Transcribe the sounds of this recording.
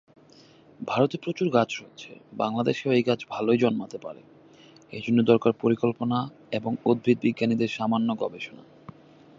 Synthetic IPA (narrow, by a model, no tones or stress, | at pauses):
bʱaɾot̪epɾot͡ɕuɾɡad͡ʑɾoet̪ːt͡ɕʰḛbaŋlad̪eʃeoejɡad͡ʑʰbʱalojd͡ʑɔnmat̪epa̰ɾḛ | ḛd͡ʑʱonːod̪ɔɾkaɾpoɾikolpona | eboŋod̪̚bʱit̪̚biɡːanid̪eɾʃamanːoɡɔ̰beʃona̰